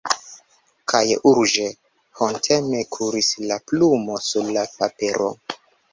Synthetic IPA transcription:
kʰajuɾd͡ʒe | hontʰemekʰuɾislaplumo̞suɾlapapeɾʔo̰

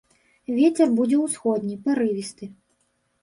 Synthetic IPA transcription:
vʲet͡sʲɛrbud͡zʲɛwsxɔd̪nʲipaɾɨvʲist̪ɨ

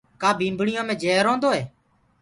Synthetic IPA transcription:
kaːbʱĩːmbɳɪjãːmẽːd͡ʒeːɾõːnd̪oːɦɛː

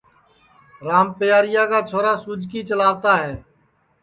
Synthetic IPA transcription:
ɾaːmpɪjaːɾɪjaːkaːt͡ʃʰoːɾaːsʊd͡ʒʱkiːt͡ʃəlaːʋt̪aːɦɛː

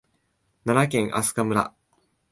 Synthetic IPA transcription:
nanak̬ẽ̞ŋ̃ʔa̰sɨ̥kamɯ̟ɾa̰

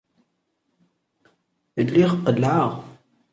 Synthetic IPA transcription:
əlːiʁqːəlʕaʁ

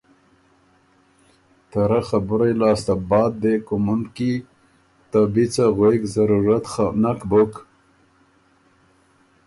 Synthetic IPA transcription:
t̪aɾaxabʊɾajlɑːst̪abɑːd̪̚ːekʊmʊnd̪ki | t̪abit͡saɣwekzaɾuɾat̪anakbʊk

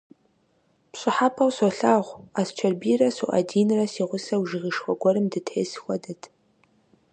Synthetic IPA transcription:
pɕʼɨħapʰɐwsoɬaːʁʷaːst͡ʃʷʰɐrbiːrɐsuʔa̰diːnrɐsiːʁʷʊsɐwʒɪɣɪʂxʷɔɡʷɔɾɨmdɨtʰħeːsxʷɔdɐtʰ

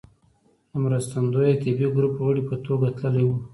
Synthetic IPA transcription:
əmɾəst̪and̪ojet̪ibiɡɾupɣəɽipət̪oɡat̪ləlajwu

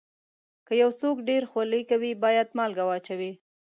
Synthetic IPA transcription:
kəjawsokɖeɾxwaləjkawibɑjad̪mɑlɡawɑt͡ʃawi

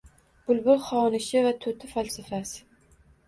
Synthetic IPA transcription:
b̥ʊlbʊɾχɒnɪʃɪvat̪ʰɵt̪ʰɪfalsɪfasɪ

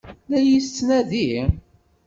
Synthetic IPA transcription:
læjist͡sːnæði

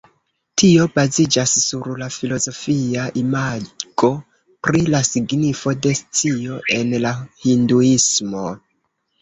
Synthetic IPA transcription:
tio̞bazid͡ʒasːuɾlafilo̞zo̞fiaʔimaɡo̞ | pɾilasiɡnifo̞de̞st͡sio̞ʔe̞nlahinduismo̞

